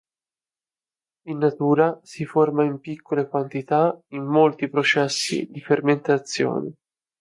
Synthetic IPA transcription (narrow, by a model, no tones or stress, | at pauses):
inːat̪uːɾasiformaimpikʰːolekwant̪it̪aimːolt̪ipɾot͡ʃɛsːḭd̪iferment̪at̪sːjo̰ːnḭ